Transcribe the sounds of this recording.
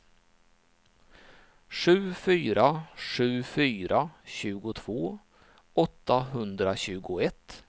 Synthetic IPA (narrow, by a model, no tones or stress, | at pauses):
ʂʉ̟ːfyːɾaʂʉ̟ːfyːɾʔaɕʉ̟ːɡʊt̪ʰv̥oː | ɔt̪ːaɦɵnd̪ɾaɕʉ̟ːɡʊɛt̪ː